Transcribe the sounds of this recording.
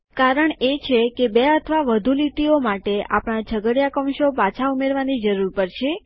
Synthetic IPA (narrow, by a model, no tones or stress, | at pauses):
kaɾəɳet͡ʃʰekebeət̪ʰəʋaʋəd̪ʱuliʈiomaʈea̰pɳ̃ad͡ʒʱəɡəɽjakəmʃopat͡ʃʰaumeɾʋanid͡ʒəɾuɾpəɾt͡ʃʰe